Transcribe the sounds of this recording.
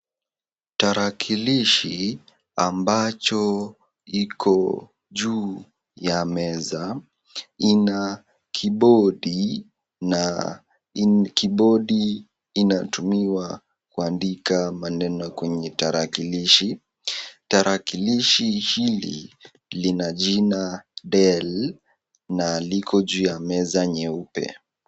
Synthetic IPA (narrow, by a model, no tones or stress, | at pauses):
taɾakʰiliʃi | ambat͡ʃɔ | ikʰɔ | ʄuː | jamɛza | ina | kʰiɓɔɗi | na | kiɓɔɗiː | natumiwa | kuandikamanɛnɔkwɛɲɛtaɾakiliʃi | taɾʔakiliʃihilḭ | linaʄinaɗɛl | nalikʰɔʄuːjamɛzaɲɛupɛ̰